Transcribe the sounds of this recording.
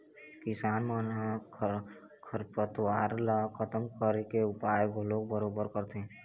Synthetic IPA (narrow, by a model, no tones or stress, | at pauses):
kɪsaːnmənɦa | kʰəɾpət̪waːɾlakʰət̪əmkəɾekeʊpaːjbʱoloːɡ̚bəɾoːbəɾkəɾt̪eɦɛ̃